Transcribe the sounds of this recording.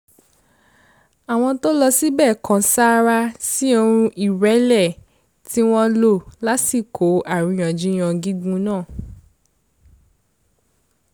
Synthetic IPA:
a˨w̃ɔ̃˧to˦lɔ˧si˦bɛː˦˨kã˨˦sa˦ɾa˧si˦o˧ɾ̃ũ˧ʔi˨ɾɛ˨˦lɛ˦˨ | ti˦w̃ɔ̃˦lo˦˨la˦ti˦˨kʰo˨˦a˨ɾĩ˨˧j̃ɔ̃˨d͡ʒĩ˨˦j̃ɔ̃˧ɡi˦ɡ͡bũ˦nãː˦˨

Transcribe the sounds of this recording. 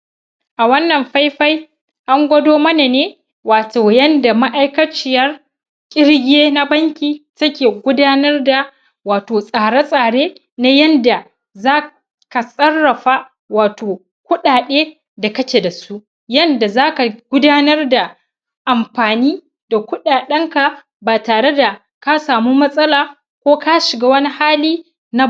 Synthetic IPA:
ʔa˨wɐ˦nːɐ˨mɸa˦jɸa˦j | ʔa˦ŋɡʷɐ˦doː˦mɐ˦na˨neː˦ | waː˨toː˨jɐ˦nda˨ma˦ʔa˦jkɐ˦t͡ʃɪ˦jɐ˦r | kʲʼɪ˦ɽɡʲeː˦na˦bɐ˦ŋkʲiː˨tɐ˦kʲeː˨ɡʷʊ˦daː˦nɐ˦rda˨ | waː˨toː˨sʼaː˨ɽa˦sʼaː˨ɽeː˦ | na˦jɐ˦nda˨ | zaː˦ | ka˨sʼɐ˦rːɐ˨ɸa˦ | waː˨toː˨ | kʷʊ˦ɗaː˨ɗeː˦ | da˨kɐ˦t͡ʃeː˨da˨su˦ʔ | jɐ˦nda˨zaː˦ka˨ɡ̥ʷʊ˦daː˦nɐ˦rda˨ | ʔa˨mɸaː˨niː˦ | da˨kʷʊ˦ɗaː˨ɗɐ˦ŋka˨ | baː˨taː˨ɽe˦da˨ | ka˦saː˨muː˦mɐ˦sʼɐ˦laː˨ | kʷoː˦ka˦ʃɪ˨ɡaː˦wɐ˦ni˦haː˦liː˦ | na˦

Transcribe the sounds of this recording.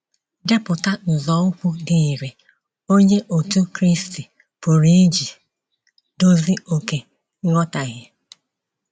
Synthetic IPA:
de˦pʊ˨ta˦n̩˨zɔ˨˦ʊ˦kʷʊ˦dɪ˨i˨ɾe˨ | o˦ɲe˦ʔo˨tu˦kɾi˦sti˨ | pʊ˨ɾi˦d͡ʒi˨ | do˦zi˦o˨ke˨˦ | ŋɔ˦ta˨ɣɪ˦

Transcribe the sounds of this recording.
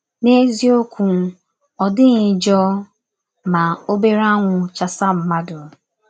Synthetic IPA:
ne˦zi˦o˦kʷu˨˦ | ɔ˨dɪ˦ɣɪ˨d͡ʒɔ˦ | ma˨o˦be˦ɾa˦ŋʷʊ˨t͡ʃa˨sa˦m̩˨ma˦dʊ˨

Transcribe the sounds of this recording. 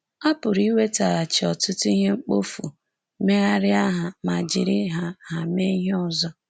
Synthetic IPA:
a˦pʊ˨ɾi˦we˦ta˨ɾa˨t͡ʃɪ˨ɔ˨tʊ˦tʊ˦i˦ɦe˦ŋ͡m̩˦k͡po˦fu˨ | me˦ɣa˦ɾɪ˦a˦ɦa˨ma˨d͡ʒɪ˨ɾɪ˦ɦa˦ɦa˨me˦ɦɔ˨zɔ˦

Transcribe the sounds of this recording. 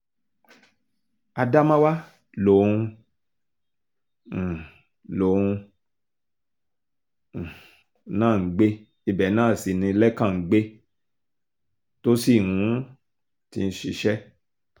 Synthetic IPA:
a˧da˦mã˦wa˦ | lo˨ũ˧˨ | lo˨˦˨ũ˧˨ | nãː˦˨ŋ̩˨ɡ͡be˦ | i˦bɛ˨˦nãː˦˨si˨nĩ˧˦lɛ˦kã˦˨ŋ̩˨˦ɡ͡be˦ | to˦si˦˨nũ˨˦ | ti˧n̩˦ʃi˧ʃɛ˦

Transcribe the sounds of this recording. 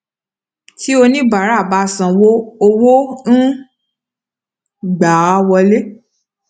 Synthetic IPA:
ti˦o˧nĩ˦ba˨ɾa˦˨ba˧sã˨wo˦o˧wo˦n̩˦ | ɡ͡ba˨˦wɔ˧le˦

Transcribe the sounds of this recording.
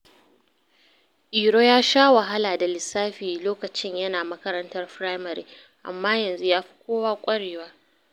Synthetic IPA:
ʔiː˨ɾoː˦jaː˦ʃaː˦wɐ˨ɦa˦laː˨da˨lɪ˨sːaː˦ɸiː˨loː˦kɐ˨t͡ʃɪ˦ɲjɐ˦naː˨mɐ˦kɐ˦ɾɐ˦ntɐ˦rɸɾaː˦jmɐ˨ɾḭː˨˦ | ʔa̰˨mːaː˦jɐ˨nzu˦jaː˦ɸi̥˦kʷoː˦waː˦kʷʼɐ˦ɽeː˨waː˦

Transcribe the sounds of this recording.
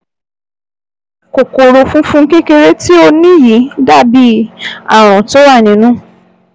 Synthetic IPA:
ko˨ko˨ɾo˧fũ˦fũ˦ŋ̩˦ke˦ke˧ɾe˦ti˦o˧nĩ˦ji˨˦da˦˨bi˨˦a̰˦˨w̃ɔ̃˨to˦wa˦˨nĩ˨˦nũ˦

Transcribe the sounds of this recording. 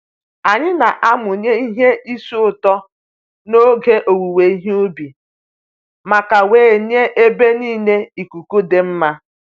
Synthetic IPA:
a˨ɲɪ˦na˨ʔa˦mʊ˨ɲe˦i˦ɦe˦i˦su˦ʊ˦˨tɔ˦ | no˦ɡe˦ʔo˨wu˨we˨i˦ɦu˦bi˨ | ma˨ka˨weː˨n˦e˦ʔe˦be˦niː˦˨ne˦i˨ku˨ku˦de˨m̩˦ma˦

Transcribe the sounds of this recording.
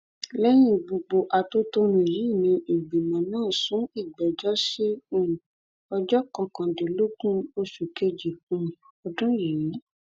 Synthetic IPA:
lɛ˦j̃ĩ˦˨bo˧ɡ͡bo˨ʔa˨to˦to˦ɾ̃ũ˨ji˨˦i˦˨nĩ˧ʔi˨ɡ͡bi˨mã˨nãː˦˨sũ˨˦i˦˨ɡ͡bɛ˨d͡ʒɔ˦ʃe˦ũ˦˨ | ɔ˧d͡ʒɔ˦kã˧kã˨de˨lo˦ɡũ˦o˧ʃu˨ke˧d͡ʒi˨kũ˨˧˨ | ɔ˧dũ˦ji˨i˨˦

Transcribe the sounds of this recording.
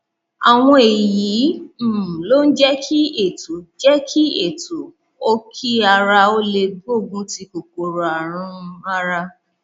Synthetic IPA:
a˨w̃ɔ̃˧e˨jiː˨˦˨ | lo˦n̩˦d͡ʒɛ˦kʰi˦e˦˨tu˨d͡ʒɛ˦kʰi˦e˨tu˨ | o˦kʰi˦a˧ɾa˧o˦le˧ɡo˦˨ɡũ˦ti˧ko˨ko˨ɾo˨a˨ɾ̃ũ˦˧a˦ɾa˧

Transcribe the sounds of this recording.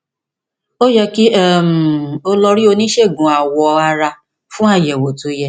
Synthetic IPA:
o˦jɛ˧ki˦ɛ˦˨m̩˨o˧lɔ˧ɾi˦o˧nĩ˦ʃe˦˨ɡũ˨a˨wɔ˨a˧ɾa˧ | fũ˦a˦˨jɛ˨wo˨to˨˦jɛ˧˦

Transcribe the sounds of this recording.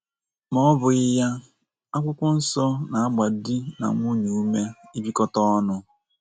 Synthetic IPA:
mɔ˦bʊ˨ɪ˦ja˦ | a˦kʷʊ˦kʷʊ˦n̩˦sɔ˦na˨a˦ɡ͡ba˨di˦na̰˨ŋʷu˦ɲu˨u˦me˦i˦bi˦kɔ˦tɔ˦ɔ˦nʊ˦

